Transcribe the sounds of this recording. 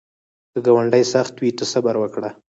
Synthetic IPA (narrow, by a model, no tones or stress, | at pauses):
d̪̥əɡawaɳɖəjsaxt̪wit̪əsabaɾwəkɽa